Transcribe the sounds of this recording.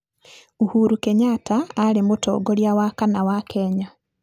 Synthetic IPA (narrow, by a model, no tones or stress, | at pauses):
uhuɾukɛɲataːɾemotɔ̰ːɡɔɾjawakanawakʰɛɲa